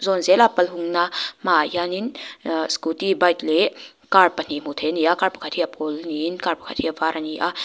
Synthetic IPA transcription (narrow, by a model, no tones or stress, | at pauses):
zɔnzelapɐlɦuŋnamajaninskutibajtle | kaɾpɐn̥im̥utʰenijakaɾpḁkʰatʰijapʰolninkaɾpḁkʰatʰiavaɾʔaniʔa